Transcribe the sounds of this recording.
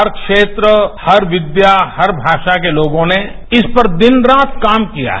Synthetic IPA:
ɐɾkʃeːt̪ɾəhɐɾʋɪd̪jahɐɾbʱaːʃak̬eloːɡõne | ɪspɐɾd̪ɪnɾaːt̪̚ʰkaːmkija̰ɦɛ

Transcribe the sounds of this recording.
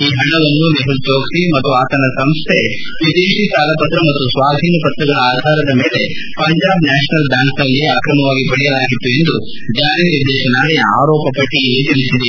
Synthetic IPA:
iːɦɐɳɐʋɐnːumeɦud̪joːɡsimɐt̪ːuaːt̪ɐnɐsɐmst̪ʰe | ʋid̪eːʂisaːlɐpɐt̪ɾɐmɐt̪ːusʋaːd̪ʱiːnɐpɐt̪ɾɐɡɐɭɐaːd̪ʱaːɾɐd̪ɐmeːle̞ | pɐɲd͡ʒaːbnaːʃɐnɐlbjaːŋknɐlɡiaːkɾɐmɐʋaːɡibɐɭɛjɐlaːɡit̪ːue̞nd̪u | d͡ʒaːniniɾd̪ɛːʃɐnaːlia̰ːɾɔːpɐpɐʈːijɐlːit͡ʃɐɭisid̪e

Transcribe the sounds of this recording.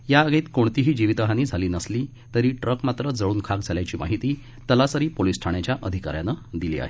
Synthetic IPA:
jaəɡet̪koɳt̪iɦiːd͡ʑiʋit̪əɦaniːd͡zʱaliːnəsliː | t̪əɾiːʈɾəkmat̪ɾəd͡zəɭuːnkʰak̚d͡zʱaljat͡ɕiːma̰ɦit̪iː | t̪əlasəɾiːpolisʈʰaɳ̃jat͡ɕjaʔəd̪ʱika̰ɾjanəd̪ilḭːa̰ɦe

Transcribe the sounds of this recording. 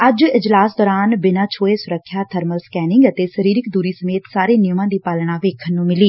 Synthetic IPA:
əd͡ʒɪd͡ʒlaːsd̪ɔːɾaːnbɪnãːt͡ʃʰoːeːsʊɾəkʰːjaːt̪ʰəɾməlskɛːnɪ̃ŋɡət̪eːsəɾiːɾɪkd̪uːɾiːsəmeːt̪saːɾeːnɪjʊmãːd̪iːpaːlɳ̃aːʋeːkʰənːũːmɪliː

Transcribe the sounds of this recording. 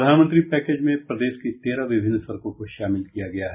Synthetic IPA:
d̪ʱaːnmə̃nt̪ɾipɛːkeːd͡ʒmẽpɾɐd̪eːʃket̪eːɾaʋɪbʱɪnːsɐɾkõkoʃaːmɪlkijaɡɐjaɦɛ

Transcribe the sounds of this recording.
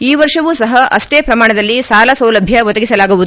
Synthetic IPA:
iːʋɐɾʂɐʋuːsɐɦɐʔɐ̰ʂʈeːpɾɐmaːɳɐd̪ɐlːisaːlɐsɐwlɐbʱjɐʋɔd̪ɐɡisɐlaːɡuʋud̪u

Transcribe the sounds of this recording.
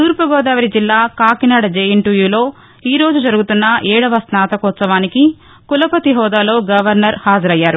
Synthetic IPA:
t̪uːɾpɐɡɔːd̪aːʋɐɾid͡ʒilːaːkaːkinaːɽɐd͡ʒeːjiɳʈujuːlo̞ː | iːɾo̞ːd͡ʒud͡ʒɐɾuɡut̪unːɐʔɛːɽɐʋɐsnaːt̪ɐkɔt̪sɐʋaːniki | kulɐpɐt̪iɦɔːd̪aːlo̞ːɡɐʋɐɾnɐɾhaːd͡ʒɐɾɐjːaːɾu

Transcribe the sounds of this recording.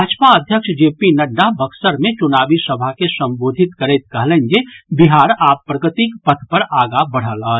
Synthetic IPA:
aːd͡ʒpaəd̪ʱjəkʃd͡ʒeːpinəɖːabʱəksəɾmẽt͡ʃʊnaːbisəbʱakesɐ̃mboːd̪ʱɪt̪kəɾeːt̪̚kɐɦlẽnɡebiɦaːɾaːpːɾəɡət̪ikpət̪ʰpɐɾaːɡabəɽ̤əlaː

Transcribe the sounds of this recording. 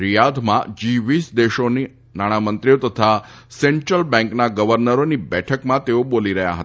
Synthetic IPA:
ɾijad̪mã̰d͡ʒiʋisd̪eʃoni | naɽ̃amənt̪ɾijot̪ət̪ʰa | seɳʈɾəlbɛ̃ŋknaɡəʋəɾnəɾonibɛʈʰəkmãt̪eoboliɾəɦja̰ɦət̪

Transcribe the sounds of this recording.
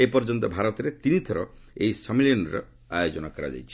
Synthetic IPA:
epɔɾd͡ʒɔnt̪ɔbʱaɾɔt̪ɔɾet̪init̪ʰɔɾɔejsɔmiljɔnɔɾɔ̰ | ajod͡ʒɔnakɔɾa̰d͡ʒa̰jt͡ʃʰi̥

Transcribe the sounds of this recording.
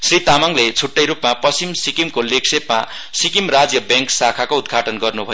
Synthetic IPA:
srit̪amaŋlet͡sʰuʈːʌjɾupmapʌimsikimkoleksepma | sikimrad͡zjʌbjʌŋksakʰakoud̪ɡʱaʈʌnɡʌrnubʱʌjo

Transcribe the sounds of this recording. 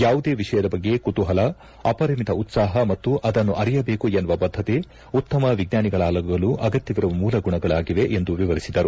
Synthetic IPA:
jaːʋud̪e̞ːʋiʂɐjɐd̪ɐbɐɡːe̞kut̪uɦɐlɐ | ɐpɐɾimit̪ɐut̪saːɦɐmɐt̪ːuʔɐd̪ɐnːuʔɐɾijɐbe̞ːkuenːuʋɐbɐd̪ʱːɐt̪e | ut̪ːɐmɐʋiɡnaːniɡɐɭaːlɐɡɐɡɐluʔɐɡɐt̪jɐʋiɾɐʋɐmuːlɐɡuɳɐɡɐɭaːɡiʋe̞ʔend̪uʋiʋɐɾisid̪ɐɾu

